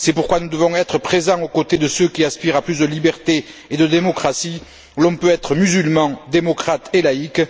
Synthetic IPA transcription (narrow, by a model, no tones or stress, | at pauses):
sɛpuʁkwanud̪əvɔ̃ɛt̪χəpχezɑ̃ŋokot̪ed̪əsøkʲiaspiʁaplys̬d̪əlibɛʁt̪eed̪əd̪emɔkχasi | lɔ̃pøɛt̪χəmyzylmɑ̃d̪emɔkχat̪elaik